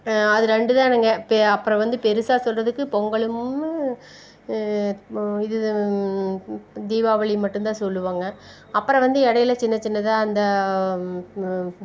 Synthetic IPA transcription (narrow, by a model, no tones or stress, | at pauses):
ɐðɯɾɛɳɖɯðãːnɐŋɡɐpɐpːɯɾɐ̃ʋɐnd̪ɯpɛɾɯsaːsɔlrɐðɯkːɯpɔŋɡɐɭɯm | ɪðɯ | d̪iːʋaːʋɐɭɪmɐʈːɯnt̪ãːsɔlːɯʋaːŋɡɐ | ɐpːɯɾɐ̃ʋɐnd̪ɯɛɽɐjɪlɐt͡ʃɪnːɐt͡ʃɪnːɐt̪ãːɐnd̪ɐ